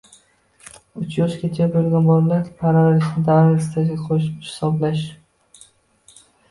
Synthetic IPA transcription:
ʊt͡ʃʰjɒʃkʲʰet͡ʃʰabolɡʲanbɒllaɾʲpʰaɾaalɪʃnɪd̪aɾɪɾst̪ʰazɡʲakʰoʃhɪ̥sɒblaʃ

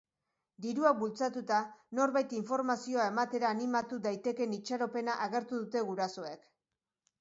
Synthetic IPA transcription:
d̪iɾuak̚bult͡sat̪ut̪ano̞ɾβajt̪iɱfo̞ɾmasio̞ae̞mat̪e̞ɾaːnimat̪uðajt̪e̞ke̞nit͡ʃaɾo̞pe̞naʔaɣe̞ɾt̪uðut̪e̞ɣuɾaso̞ek

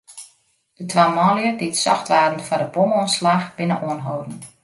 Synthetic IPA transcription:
d̥ətʰʋaːmɔːljədɪtsɔ̰xtʋaːdn̩fɔdəpomoənslaxb̥ɪnə̰ʔoənɦoːdn̩

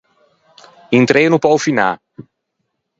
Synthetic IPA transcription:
int̪ɾeːnupɔwfinaː

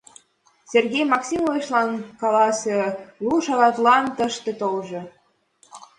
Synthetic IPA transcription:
serɡʲejmɑksʲimoveʃlɑnkɑlɑsʲĕluʃɑɣɑt̪lɑnt̪əʃt̪ĕt̪olʒɤ̆

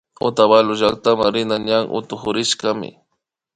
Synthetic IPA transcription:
ʊ̰t̪aβalʊʒak̚t̪amaŋɾɪnaɲaŋʔʊ̰t̪ʊxʊɾɪʃkamɪ̰

